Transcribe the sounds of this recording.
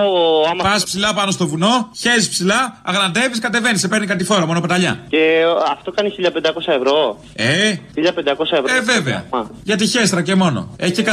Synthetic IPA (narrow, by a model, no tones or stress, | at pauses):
oɐmɐpɐspsilɐpɐno̞st̪o̞vuno̞çe̞ɾispsilɐɐɣnɐnd̪e̞viskɐt̪e̞ve̞nisepe̞ɾnikɐt̪ifo̞ɾɐmo̞no̞ped̪ɐʎɐ̰ceɐft̪o̞kɐniçiʎɐpend̪ɐko̞sɐevɾo̞ | eiʎɐpend̪ɐko̞sɐeveve̞veɐ̰ɐʝɐt̪içe̞st̪ɾɐce̞mo̞no̞̰eç̥cekɐ